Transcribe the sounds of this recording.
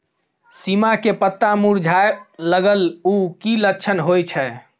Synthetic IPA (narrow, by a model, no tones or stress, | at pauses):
simakepət̪ːamuɾd͡ʒʱaeləɡəlukiləkːt͡ʃʰənɦojt͡ʃʰɛ